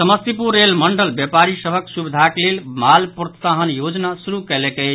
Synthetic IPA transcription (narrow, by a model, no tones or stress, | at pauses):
səməst̪ipuɾːelməɳɖəlbjepaɾisəbʱəksubid̪ʱaklelmalpɾət̪saɦənjod͡ʒnasuɾukɛlɛkɛ